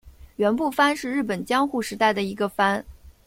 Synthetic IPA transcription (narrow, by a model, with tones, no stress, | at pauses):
ɥɛ˧˥npu˥˩fa˥nʂɻ̩˥˧ɻ̩˥˩pə˨˩nt͡ɕjɑ˥ŋxu˥˩ʂɻ̩˧˥t̪a˥˩ɪd̪ə˩i˧˥ɡə˧fa˥n